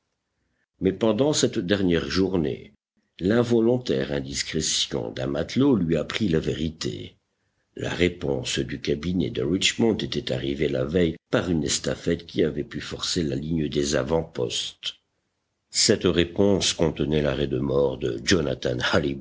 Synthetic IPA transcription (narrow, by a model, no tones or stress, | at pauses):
mɛpɑ̃d̪ɑ̃sɛt̪d̪ɛʁnjɛʁʒuʁnḛ | lɛ̃vɔlɔ̃t̪ɛʁɛ̃d̪iskχesjɔ̰̃d̪ɛ̰̃mat̪lolɥiapχilaveʁit̪ḛ | la̰ʁepɔ̰̃sd̪ykʲabinɛd̪əʁit͡ʃmɔ̃d̪et̪ɛt̪aʁivela̰vɛjpaʁynɛst̪afɛt̪kʲiavɛpyfɔʁselaliɲd̪eza̰vɑ̃pɔ̰st̪ | sɛt̪ʁepɔ̃skɔ̃t̪ənɛlaʁɛd̪əmɔʁd̪ə̰ʒɔna̰t̪a̰nhali